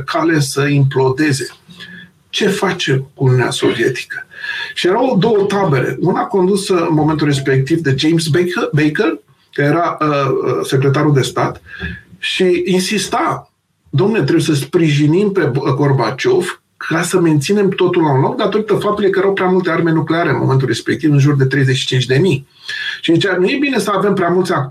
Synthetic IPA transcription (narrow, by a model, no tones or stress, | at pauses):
kʰalesəimplo̞d̪e̞ze̞ | t͡ʃe̞fat͡ʃe̞mkunjunea̰so̞viet̪i̥kə̥ʃije̞ɾawd̪o̞wət̪abe̞lḛunako̞nd̪usəɨnmo̞ment̪ulre̞s̬pe̞k̚t̪ivd̪e̞d͡ʒejms̬bejkər | kaeɾaəse̞kɾe̞t̪̬aɾuld̪e̞st̪a̰t̪ʃiinsist̪a | d̪amnet̪ɾeujesəspɾiʒinimpe̞ɡo̞rbat͡ʃo̞v | kʰasəme̞nt̪sine̞mt̪o̞t̪ulaunlo̞k̚d̪at̪o̞ɾit̪əfap̚t̪ulekəjeɾawpɾʲamult̪e̞arme̞nukleaɾeɨnmo̞me̞nt̪̬ulrɾe̞spek̚t̪ivɨnʒurd̪e̞t̪ɾe̞jzet͡ʃʃi̥t͡ʃint͡ʃd̪e̞mij | ʃiit͡ʃanuje̞bine̞səave̞mpɾʲeamult̪sak